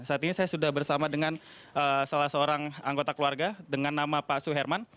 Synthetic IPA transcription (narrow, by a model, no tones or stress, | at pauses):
saːt̪iɲasajasudahbərsamadəŋan | əsalahsəoɾaŋaŋɡot̪akəluarɡadəŋanːamapasuɦɛrman